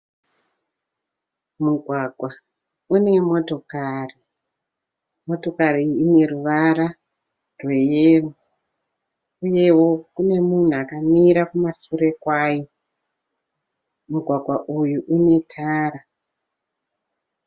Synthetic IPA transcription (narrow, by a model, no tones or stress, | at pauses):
muɡʱwaɡʱwa | une̞mo̞to̞kari | mo̞to̞kariːne̞ruʋaɾa | rwejeːro | uje̞wo̞kune̞mun̤uakamiɾakumasure̞kwaːjo | muɡʱwaɡʱwaʔujuʔune̞tʰaːɾa